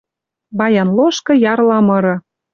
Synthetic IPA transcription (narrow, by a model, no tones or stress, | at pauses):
βɑjɑnloʃkɤ̆jɑrlɑmɤ̆ɾɤ̆